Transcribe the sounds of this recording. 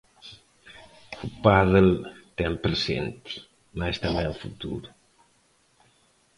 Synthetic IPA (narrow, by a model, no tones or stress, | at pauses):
upaðəlt̪ɛmpɾəsḛnt̪i̥ | majst̪ambɛlˠfṵt̪ṵɾu